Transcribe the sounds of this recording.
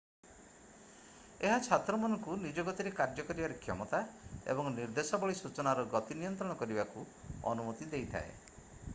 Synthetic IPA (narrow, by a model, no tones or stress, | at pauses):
eɦat͡ʃʰat̪ɾɔmɔnɔŋkunid͡ʒɔɡɔt̪iɾekaɾd͡ʒɔkɔɾibaɾekʰjɔmɔt̪aḛbɔŋniɾd̪esɔbɔɭisut͡ʃɔnaɾɔɡɔt̪inijɔnt̪ɾɔɽ̃ɔkɔɾibaku | ɔ̰numɔt̪id̪ejt̪ʰa̰ḛ